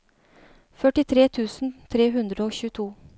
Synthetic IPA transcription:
fœʈɪt̪ʰɾeːt̪ʰʉːsn̩t̪ʰɾeːɦʉnd̪ɾəoːçʉːət̪ʰuː

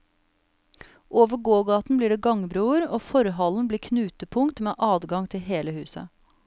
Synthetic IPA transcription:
ʔoːʋəɡoːɡɑːt̪n̩bliːɖeːɡɑŋbɾuːəɾoːfɔɾɦɑln̩bliːkʰnʉːt̪əpʰʊŋkt̪mḛːʔɑːd̪ɡɑŋt̪ʰɪlɦeːləhʉ̰ːsə̰

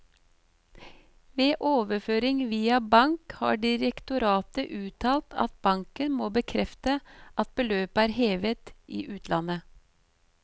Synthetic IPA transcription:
ʋeːʔoːʋəføːɾɪŋʋiːɑbɑŋkhɑ̰ːɖɪɾəkt̪ʊɾɑːt̪əʔʉːt̪ʰɑːlt̪ʰɑ̰t̪̚b̥ɑŋkənmoːbəkʰɾɛft̪əʔɑt̪̚bəløːpæːɾheːʋət̪ʔḭːʔʉːt̪ʰlɑnə

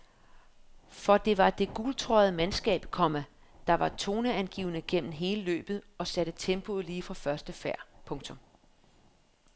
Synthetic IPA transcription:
fɒ̽d̥e̝ʋɑ̈d̥e̝ɡ̥ult͡sʰʁɔð̩ˠəmænsɡ̥ɛ̰ːb̥kʰɒ̽mæ | d̥ɑ̈ʋɑ̈t͡sʰo̝ːnəænɡ̥ḭːʊnəɡ̥em̰mn̩ɦe̝ːləlø̰ːb̥ð̩ˠɒ̽sæɾ̥ət͡sʰemb̥o̝ðˠliːfʁɑ̈fɶɐsd̥əfæɐ̰pʰɔ̽ŋt͡sʰɔ̽m

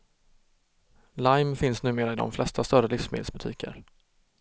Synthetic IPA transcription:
lajmfɪnsnʉ̟ːmeːɾaɪd̪ɔ̰mflɛst̪ʰast̪œɾəlɪfsmḛːd̪sbɵt̪ʰḭːkʰə̰ɾ

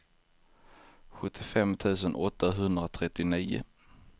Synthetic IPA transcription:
ɧɵt̪ʰːɪfɛmt̪ʰʉ̟ːs̬ənʔɔt̪ːaɦɵnd̪ɾat̪ʰɾɛt̪ːɪniːʊ̰

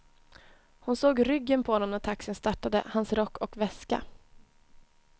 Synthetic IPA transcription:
hʊnsoːɡɾʏɡːənpʰɔhɔnɔmnæʈʰaksɪənst̪aʈːad̪əhansɾɔkːɔkvɛska̰

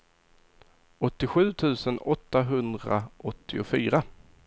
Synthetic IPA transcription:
ɔt̪ːɪɧʉ̟ːt̪ʰʉ̟ːsənɔt̪ːaɦɵnd̪ɾa̰ʔɔt̪ʰːɪʊfyːɾa

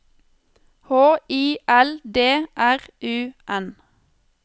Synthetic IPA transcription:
hoːiːʔɛld̪eːʔæʁʔʉːʔɛn

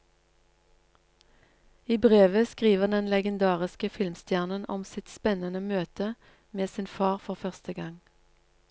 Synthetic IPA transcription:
iːbʁeːʋəskʁiːʋəʁd̪ɛnlɛɡənd̪ɑːʁɪskəfɪlmst̪jæːʁnənʔɔ̰msɪt̪spɛnənəmøːt̪ʰə | meːsɪnfɑːʁfɔʁfœʁst̪əɡɑŋ

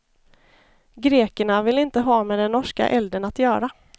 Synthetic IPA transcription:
ɡɾeːkəɳavɪlɪnt̪əɦɑːmɛd̪ɛnːɔʂka̰ʔɛld̪ənat̪jœːɾa

